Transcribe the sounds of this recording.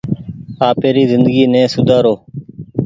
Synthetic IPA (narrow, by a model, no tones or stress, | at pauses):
aːpeːɾiːzɪnd̪əɡiːnɛ̃ːsʊd̪ʱaːɾoː